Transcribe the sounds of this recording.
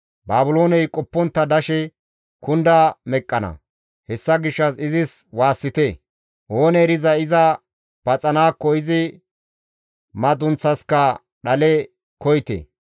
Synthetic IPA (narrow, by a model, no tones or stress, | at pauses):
baːbʊlo̞ːnɛjkʼɔpːɔnt̪ːɐd̪ɐʃɛ | kʊnd̪amɛkʼːɐnɐ̰ | hɛsːɐɡɪʃːɐsɪzɪswaːsːɪt̪e | ʔoːnɛɾɪzɐɪzɐ | b̥ɐt͡sʼɐnaːkːɔɪzɪ | mɐd̪ʊnt͡sːɐskɐ | ɗɐlɛ | kɔjt̪ḛː